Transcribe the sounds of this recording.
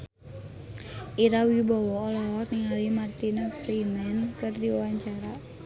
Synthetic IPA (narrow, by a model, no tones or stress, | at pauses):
ʔiɾawibɔwɔːlɔɔniŋalimart̪inapɾimɛnkɨrdiwawaɲt͡ʃaɾa